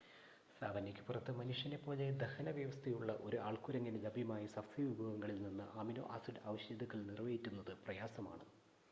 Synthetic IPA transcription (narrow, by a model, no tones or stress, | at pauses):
saːʋɐnːikʲːɨ̥purɐt̪ːɨmɐnuʂjɐnepːo̞ːle̞d̪ɐhɐnɐʋjɐʋɐst̪ʰɐjuɭːɐʔo̞ɾuʔaːɭkuɾɐŋːɐnelɐbijmaːjisɐfsʰiʋibʱɐɣɐŋːɐɭilninːɨʔaːmino̰ːʔaːsiɖaːʋɐɕjɐd̪ɐɣɐɭnirʋɐjitʲːunːɐðɨprɐjaːsɐma̰ːɳɨ